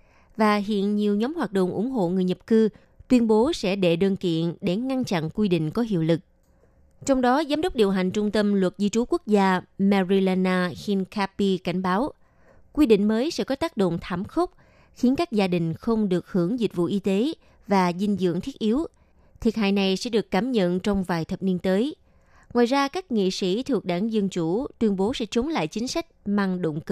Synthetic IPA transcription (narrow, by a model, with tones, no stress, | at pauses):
vaː˨˩ɦḭ˧˨ənɲi˨˩əwɲɔ˨˦mhwaː˨˩t̚ɗo̰˧˨wŋ͡mʔʊ̰˧˩ŋ͡mɦo̰˧˨ŋɨ˨˩əjɲə˨˩p̚kɨ˧ | t̪wi˧ənɓo˨˦sɛ̰˧˥ɗe˧˨ɗəː˧nkḭ˧˨ənɗe˧˩ŋa˧nt͡ɕa̰˧˨nkwi˧ɗḭ̈˧˨ŋ̟kɔ˨˦ɦḭ˧˨əwlɨ˨˩k̚ | t͡ɕɔ˧wŋ͡mɗɔ˨˦zaː˨˦mɗə˦˥wk͡p̚ɗi˨˩əwɦa˨˩jŋ̟t͡ɕʊ˧ŋ͡mt̪ə˧mlwə˨˩t̚zi˧t͡ɕu˨˦ku˦˥ək̚zaː˧mɛ˧zi˧laː˧naː˧xi˧nkʰa˧pi˧ka˧˩jŋ̟ɓaː˨˦w | kwi˧ɗḭ̈˧˨ŋ̟məː˨˦jsɛ̰˧˥kɔ˨˦t̪aː˦˥k̚ɗo̰˧˨ŋ͡mt̪ʰaː˧˩mxə˦˥wk͡p̚ | xi˨˦ənkaː˦˥k̚zaː˧ɗï˨˩ŋ̟xə˧wŋ͡mɗɨ˨˩ək̚hɨ˧˩əŋzi˨˩t̟̚vṵ˧˨ʔi˧t̪e˨˦ | vaː˨˩zi˧ŋ̟zɨ̰˧˨əŋt̪ʰi˦˥ət̚ʔi˨˦w | t̪ʰi˨˩ət̚ɦa̰ː˧˨jna˨˩jsɛ̰˧˥ɗɨ˨˩əkːaː˧˩mɲə̰˧˨nt͡ɕɔ˧wŋ͡mvaː˨˩jt̪ʰə˨˩p̚ni˧ənt̪əː˨˦j | ŋwaː˨˩jzaː˧kaː˦˥k̚ŋḭ˧˨sḭ˧˥t̪ʰɨ˨˩ək̚ɗaː˧˩ŋzə˧nt͡ɕu˧˩t̪wi˧ənɓo˨˦sɛ̰˧˥t͡ɕo˨˦ŋ͡mla̰ː˧˨jt͡ɕï˨˦ŋ̟sa˦˥jk̚maː˧ŋɗo̰˧˨wŋ͡mk